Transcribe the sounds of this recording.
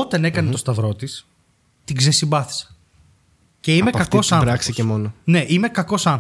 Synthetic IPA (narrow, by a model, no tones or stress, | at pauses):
ot̪ɐne̞kɐnet̪o̞st̪ɐvɾo̞t̪is | t̪iɡzesibɐθi̥se̥ | ce̞imekɐko̞sɐɾɐksicemonone̞ʔimekɐko̞sɐn